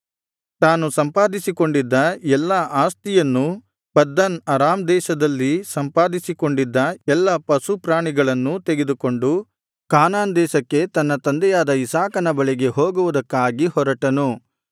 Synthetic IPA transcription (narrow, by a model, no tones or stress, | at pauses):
t̪aːnusɐmpaːd̪isiko̞ɳɖid̪ːɐɛlːɐʔaːst̪ijɐnːu | pɐd̪ːɐnɐɾaːmd̪ɛːʃɐd̪ɐlːisɐmpaːd̪isiko̞ɳɖid̪ːɐɛlːɐpɐsupɾaːɳiɡɐɭɐnːut̪eɡe̞d̪uko̞ɳɖu | kaːnaːnd̪ɛːʃɐkːe̞t̪ɐnːɐt̪ɐnd̪ɛjaːd̪ɐisaːkɐnɐbɐɭiɡe̞ɦoːɡuʋud̪ɐkːaːɡihɔɾɐʈɐnu